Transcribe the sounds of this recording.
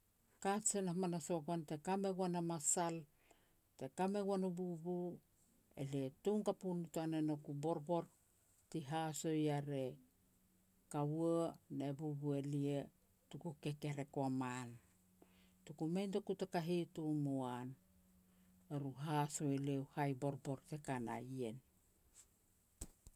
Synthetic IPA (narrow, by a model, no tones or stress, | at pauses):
kasenamanaso̞ɡuante̞kame̞ɡuanamasal | te̞kame̞ɡuanububu | ḛlietuŋkapunutuanenokubo̞ɾbo̞ɾ | tiɦaso̞jaɾe̞ | kauonebubuelie | tukukeke̞ɾe̞koaman | tukumejntokutakaɦitumoan | eɾuɦasoelewhajbo̞ɾbo̞ɾtekana̰jen